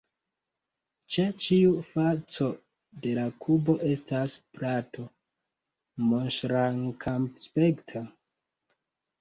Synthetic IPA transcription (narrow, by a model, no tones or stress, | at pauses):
t͡ʃet͡ʃiufat͡so̞ | de̞lakʰubo̞ʔe̞stasplatʰo̞ | monʃɾaŋkʰamspektʰa